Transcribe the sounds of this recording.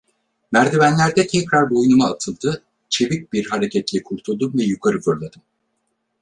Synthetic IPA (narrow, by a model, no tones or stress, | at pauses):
mæɾd̪evænlʲæɾd̪ɛt̪ʰɛcɾaɾbojnumaːt̪ʰɯlˠd̪ɯ | t͡ʃʰe̞vic̚biɾɦaɾecʰɛt̪lʲɛkʰuɾt̪ʰulˠd̪umvɛjukʰaɾɯfɯɾlˠad̪ɯm